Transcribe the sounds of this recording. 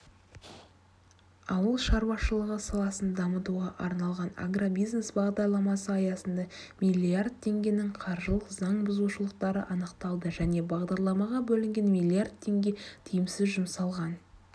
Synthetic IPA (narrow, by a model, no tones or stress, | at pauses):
ɑwəlˠʃɑɾwɑʃəlˠəʁəsɑlˠɑsənd̪ɑmət̪uʁɑʔɑɾnɑlˠʁɑna̰ɡrobijzne̞sbɑʁd̪ɑɾlˠɑmɑsəɑjɑsənd̪ɑmilʲiard̪̚t̪ʰe̞ŋɡʲe̞nɪŋqʰɑɾʒəlˠəqzɑɴbʊzuʃəlˠəq̚t̪ɑɾə̰ʔɑnəqt̪ɑlˠd̪əʒæne̞bɑʁd̪ɑɾlˠɑmɑʁɑbɵlɪŋɡʲe̞nmʲijlʲijard̪̚t̪ʰːe̞ŋɡʲe̞t̪ʰijɪmsɪzʒʊmsɑlˠʁɑn